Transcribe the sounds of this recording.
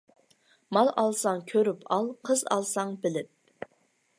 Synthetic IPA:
mɑlˠʔɑlˠsɑŋkʲʰøɾypʰɑlˠqʰəzɑ̰lˠsɑŋbɪlɪp̚

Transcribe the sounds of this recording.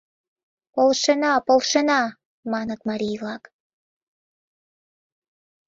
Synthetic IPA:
polʃenɑpolˠʃenɑ | mɑnət̪mɑɾʲijβlˠɑk

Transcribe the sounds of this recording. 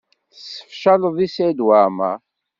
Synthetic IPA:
θsə̥fʃæləðˤisæd̪wama̰

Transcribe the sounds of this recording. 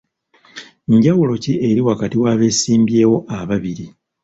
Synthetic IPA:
ɲɟawulo̞ciʔeɾiwakatiwaːβe̞ːsiːmbje̞ːwo̞ʔaβaβiɾi

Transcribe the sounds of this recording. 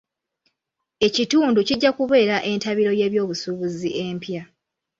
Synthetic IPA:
e̞cituːnduciɟːakuβe̞ːɾaʔe̞ntaβiɾo̞je̞ːβjo̞ːβusuβuziʔe̞mpja

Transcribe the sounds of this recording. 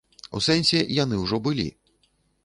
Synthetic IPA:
ṵsɛnʲsʲɛjan̪ɨwʐɔbɨlʲḭ

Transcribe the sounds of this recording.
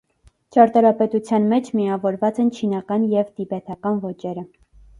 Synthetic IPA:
t͡ʃɑɾt̪ɑɾɑpɛt̪ut͡sʰjɑnmɛt͡ʃʰmiɑvɔɾvɑt͡sɛnt͡ʃʰinɑkɑnjɛvt̪ibɛt̪ʰɑkɑnvɔt͡ʃɛɾə

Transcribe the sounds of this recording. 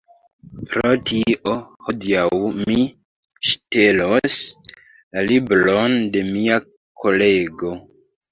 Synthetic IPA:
pɾo̞tʰiʔoho̞diawmi | ʃte̞lo̞s | lalibɾo̞nde̞mia | kʰo̞le̞ɡo̞

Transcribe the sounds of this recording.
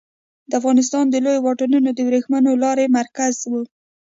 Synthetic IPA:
d̪əafɣɑnɪs̬t̪ɑnd̪əlojowɑʈanunod̪əbɾexmənolɑɾemaɾkazwu

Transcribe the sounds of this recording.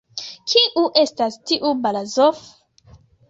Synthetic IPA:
kʰiʔuʔe̞stastiʔubalazof

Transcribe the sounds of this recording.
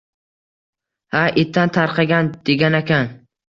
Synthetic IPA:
haʔet̪ʰːant̪ʰaɾqʰɑɡʲand̪̥eɡʲanakʲʰan

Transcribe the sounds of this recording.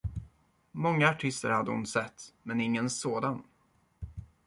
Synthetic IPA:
mɔŋːaaʈʰɪst̪ə̰ɾhad̪ːəhʊ̰nsɛt̪ːmɛnɪŋːənsoːd̪an

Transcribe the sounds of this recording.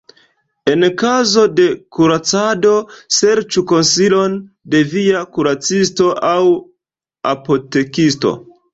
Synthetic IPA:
e̞nkazo̞de̞kuɾat͡sado̞se̞ɾt͡ʃuko̞nsilo̞n | de̞viakuɾat͡sisto̞ʔaw | a̰po̞te̞kisto̰

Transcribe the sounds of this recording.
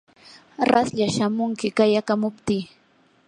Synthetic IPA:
ɾasʎaʃamʊŋkɪkajakamʊpt̪iː

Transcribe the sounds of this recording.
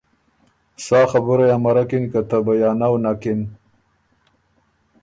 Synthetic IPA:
sɑːxabʊɾajamaɾakinkat̪abajɑːnawnakin

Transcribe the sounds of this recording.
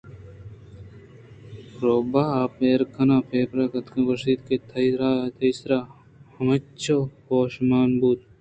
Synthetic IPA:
ɾoːbaːaːpeːɾkʰɐnaːpʰeːpɾɐkɐt̪kɐɡɐʂiːt̪ket̪ʰɐjɾaːt̪ʰɐjsɾaː | hɐmɐt͡ʃʰoːhoːʃmaːnbuːt̪̚

